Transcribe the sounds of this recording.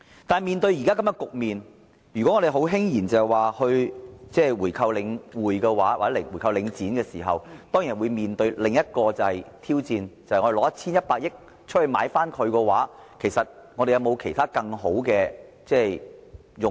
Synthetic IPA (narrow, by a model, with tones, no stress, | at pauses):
t̪aː˨nmiː˨nt̪ɵ˧ɥji˨˩kaː˥kɐ˨˥mjɔ˥nkʊ˨k̚miː˨n | jyː˨˩kɔ˨˦˥ŋːɔ˨˧ɾe˨jɦo˨˥wɦɪ˥ŋjiː˨˩nt͡sɐ˨ɛ˨jwaː˨hɵ˧ɥt͡sɛː˥˩wuː˨˩jkʰɐ˧wlɪ˨˧ŋwuː˨˩jkɛ˧waː˨˥wa̰ː˨˩ɛː˨˥ɪ˨˩wuː˨˩jkʰɐ˧wlɪ˨˧ŋt͡siː˨˥nkɛː˧siː˨˩ɦɐ̰˨˩wt̪ɔː˥ŋji˨˩wuː˨˧jmiː˨nt̪ɵ˧ɥlɪ˨ŋjɐ˥t̚kɔː˧t͡sɐ˨hɐ˨˩jt̪ʰiː˥wt͡siː˧nt͡sɐ˨jŋɔ˨˧ɾe˨lɔː˨˦jɐ˥t̚t͡sʰiː˥njɐ˥t̚paː˧k̚jɪ˥k̚ | t͡ʃʰɵ˥t̚hɵ˧ma̰ː˨˧˥jfaː˥nkʰɵ˨˧ɥkɛ˧waː˨˥kʰe˨˩jsɐ˨t̚ŋɔ˨˧ɾe˨jɐ˨˧wmo˨˧wkʰe˨˩jt̪ʰaː˥kɐ˧ŋɦo˨˥wkɛː˧ | t͡sɛː˥j | jʊ˨